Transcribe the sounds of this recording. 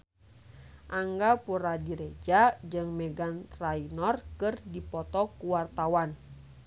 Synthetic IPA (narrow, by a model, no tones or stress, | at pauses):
ʔaŋɡapuɾadiɾed͡ʒad͡ʒɨŋmɛɡant̪ɾainɔrkɨrdipɔt̪ɔkuwart̪awan